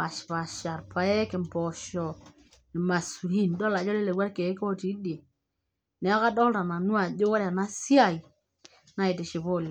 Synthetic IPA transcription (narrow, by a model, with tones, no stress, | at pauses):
a˨ʃpa˨ʃa˨ɾpa˨ɛ˦kɪ˨mpɔ˨ʃɔ˨ | nɪ˨ma˨su˨li˦ndɔ˦la˨d͡ʒɔ˦le˦le˨ɡwa˦ɾke˨˦kɔ˦ti˨˦de˨ | nɛ˨˦a˦ka˦dɔ˦lta˨na˨nwa˨d͡ʒo˦wa˦ɾa˨na˦sja˦˨i˨ | na˦ɪ˨tɪ˨ʃɪ˨bo˦˨l